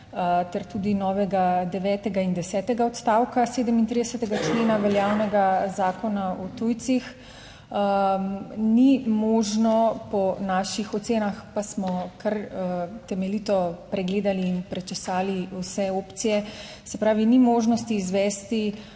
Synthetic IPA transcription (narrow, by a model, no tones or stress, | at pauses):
t̪ɛɾt̪uːd̪inɔːʋɛɡad̪ɛʋɛːt̪ɛɡaind̪ɛsɛːt̪ɛɡaɔt̪st̪aːwkaseːd̪əmint̪ɾid̪ɛsət̪ɛɡat͡ʃleːnaʋɛljaːwnɛɡazaːkɔnaɔt̪ujt̪six | nimoːʒnɔpɔnaːʃixɔt̪seːnaxpasmɔkaɾt̪ɛmɛlit̪ɔpɾɛɡleːd̪aliːnpɾɛt͡ʃɛsaːliusɛoːpt̪sijɛ | sɛpɾaːʋinimoʒnɔst̪iːzʋɛːst̪i